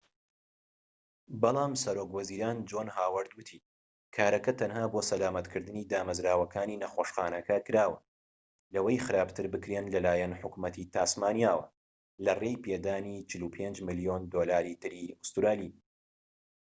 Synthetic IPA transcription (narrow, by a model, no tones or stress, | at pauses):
bɑlˠɑːmsɐɾoːkwɐziːɾaːnd͡ʒoːnɦaːwɐɾd̪wɨt̪ʰiː | kʰaːɾɐkɐt̪ʰɐnhaːbosɐlaːmɐt̪kʰɨɾd̪ɨniːd̪aːmɐzɾaːwɐkʰaːniːnɐxoːʃxaːnɐkʰɐkɨɾaːwɐ | lɐwejxɨɾaːbt̪ʰɨɾbɨkɾeːnlɐlaːjɐnħʊkmɐt̪ʰit̪ʰaːsmaːnijaːwɐ̰ | lɐrejpʰeːd̪aːniːt͡ʃʰɨlupʰend͡ʒmɨlijond̪oːlaːɾit̪ʰɨɾiʊst̪ɾaːliː